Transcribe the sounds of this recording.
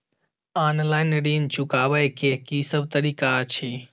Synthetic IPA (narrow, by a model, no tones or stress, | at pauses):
anlaɪnɾint͡ʃukabəjkekisəbt̪əɾikat͡ʃʰi